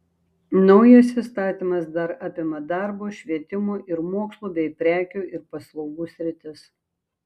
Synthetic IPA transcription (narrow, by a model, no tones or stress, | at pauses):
nɔʊjɐsist̪ɑːt̪ʲiːˑmɐsd̪ɐɾɑːpʲɪmɐd̪ɑɾboːʃʲʋʲiɛt̪ʲɪmuːʔɪɾmuɔːkslˠuːbʲɛɪpʲɾʲæːkʲuːʔɪɾpɐslˠɐʊɡuːsʲɾʲɪt̪ʲɪs